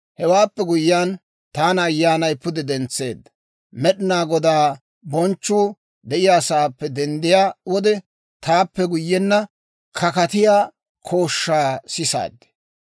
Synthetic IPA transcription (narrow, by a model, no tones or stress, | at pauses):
hɛwaːpːɛɡʊjːaːn | t̪aːnɐjːaːnɐjpʊd̪ɛd̪ɛnt͡sːe̞̰ːd̪ːɐ | mɛɗɪnaːɡɔd̪aː | bɔnt͡ʃːuː | d̪ɛʔɪjasaːpːɛd̪ɛnd̪ɪjaːwɔd̪ɛ | t̪aːpːɛɡʊjːɛnːɐ | kʰɐkɐt̪ɪjaː | kʰoːʃːaːsɪsa̰ːd̪ːɛ̥